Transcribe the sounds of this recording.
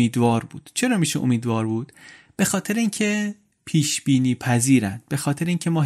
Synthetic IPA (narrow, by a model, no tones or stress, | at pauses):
iːd̪vɒːɾbṵːd̪̥t͡ʃʰe̞ɾɒːmiːʃeʔo̰miːd̪vɒːɾbuːd̪̥ | b̥e̞xɒːt̪ʰe̞ɾeiːŋcʰe | pʰiːʃbiːniːpʰæziːɾænd̪̥̚be̞xɒːt̪ʰe̞ɾeiːŋcʰemɒː